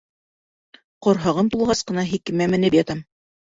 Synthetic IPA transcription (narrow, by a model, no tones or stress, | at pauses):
qŏɾɦɑʁɤnt̪ulˠʁɑsqɤ̆nɑɦikɘ̆mæmɘ̆nɘpjɑt̪ɑm